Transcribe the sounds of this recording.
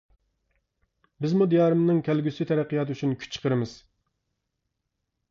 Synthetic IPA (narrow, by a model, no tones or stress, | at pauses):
bɪzmud̪ijɑːɾɨmnɨŋkʲʰælɡʲysyt̪ʰɛɾæqʰːijɑt̪yt͡ʃʰynkʲʰy̥t͡ʃʰːə̥qʰəɾɨmɨz̥